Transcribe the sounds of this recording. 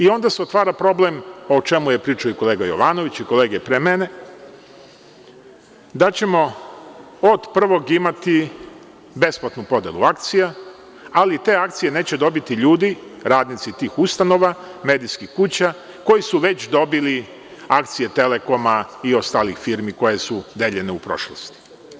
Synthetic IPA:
io̞nd̪aseo̞t̪ʋaːɾapɾo̞ble̞mot͡ʃe̞muje̞pɾiːt͡ʂaoiko̞le̞ːɡajo̞̰ʋaːno̞ʋit͡ɕiko̞leːɡepɾemene̞ | d̪at͡ɕe̞mo̞ | od̪pr̩ʋo̞ɡimat̪i | be̞splˠat̪nupo̞d̪ḛlṵak̚t̪sija | alit̪e̞ːakt̪sije̞neːt͡ɕe̞d̪o̞bit̪iʎuːd̪iɾaːd̪nit̪sit̪iːxust̪ano̞ʋame̞ːd̪ijskixkut͡ɕa | ko̞jisuʋe̞t͡ɕd̪o̞bili | akt̪sije̞t̪e̞le̞ko̞maio̞st̪alixfiɾmiko̞jesud̪eʎe̞neupɾo̞̰ʃlost̪i̥

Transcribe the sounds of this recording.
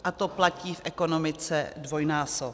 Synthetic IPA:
ʔat̪oplaciːfʔɛko̞nomɪt͡sɛ̰dvo̞jnaːsop

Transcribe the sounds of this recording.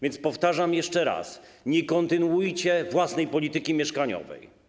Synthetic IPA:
vʲjɛnt̪spɔft̪aʐamjɛʂt͡ʂɛɾa̰sɲɛkɔnt̪ɘnuwujt͡ɕɛvwasnɛjpɔlʲit̪ɘkʲimʲjɛʂkaɲɔ̰vɛ̰j

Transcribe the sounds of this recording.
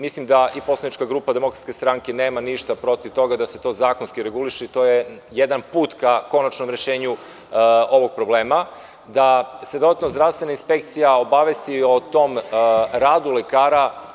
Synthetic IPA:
mislimd̪aʔipo̞slˠanit͡ʃkaɡɾuːpad̪e̞mo̞kɾat̪skʲe̞st̪ɾaŋke̞neːmaniʃt̪apɾo̞t̪iʋt̪o̞ɡad̪ase̞t̪o̞zaːkonskiɾe̞ɡuliʃet̪o̞ːje | jed̪anpuːt̪kako̞nat͡ʃnomɾeʃe̞ːɲu | o̞ʋo̞ɡ̚pɾo̞bleːma | d̪ased̪o̞d̪at̪nozd̪ɾaʋst̪ʋe̞nainspekt̪sijao̞baʋest̪io̞t̪o̞mɾaːd̪ulekaːɾa

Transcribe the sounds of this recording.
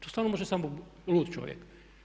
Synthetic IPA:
t̪ɔ̥st̪aɾnɔmɔʒɛsamɔlut̪t͡ʃwɔ̰vʲjɛ̰k

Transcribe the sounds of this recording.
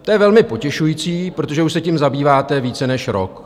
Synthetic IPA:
t̪ojɛvɛlmɪpo̞cɛʃujit͡siːpɾo̞t̪oʒɛuʃsɛcimzabiːvaːt̪ɛviːt͡sɛnɛʃɾo̰k

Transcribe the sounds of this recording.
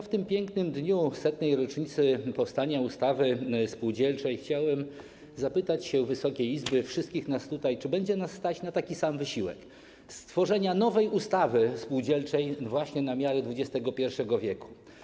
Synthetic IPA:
ft̪ɘmpʲjɛŋknɘmd̪ɲusɛt̪nɛjɾɔt͡ʂɲit̪sɘpɔfst̪aɲaust̪avɘspuwd͡ʑɛlt͡ʂɛjxt͡ɕawɛm | zapɘt̪at͡ɕɕɛvɘsɔkʲejizbɘfʂɘst̪kʲixnast̪ut̪ajt͡ʂɘbɛɲd͡ʑɛnasːt̪at͡ɕnat̪akʲisamvɘɕiwɛ̰k | st̪fɔʐɛɲanɔvɛjust̪avɘspuwd͡ʑɛlt͡ʂɛjvwaɕɲɛnamʲjaɾɛd̪vud͡ʑɛst̪ɛɡɔpʲjɛɾfʂɛɡɔvʲjɛku̥

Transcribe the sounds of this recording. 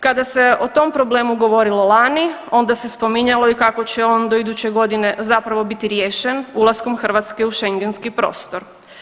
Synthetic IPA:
kad̪ase̞o̞t̪o̞mpɾo̞ble̞ːmuɡo̞ʋo̞ɾilo̞lˠani | o̞nd̪ase̞spo̞miɲalˠo̞ikako̞t͡ɕeo̞nd̪oid̪ut͡ɕeɡo̞d̪ine̞zapɾaʋo̞bit̪iɾjeːʃenulˠaskomxr̩ʋat̪ske̞uʃe̞ŋɡe̞nskipɾo̞̰ːst̪o̞ɾ

